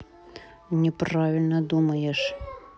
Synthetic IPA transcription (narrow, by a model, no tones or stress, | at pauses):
nʲɛpravʲɪlʲnəd̪umɐjɛʂ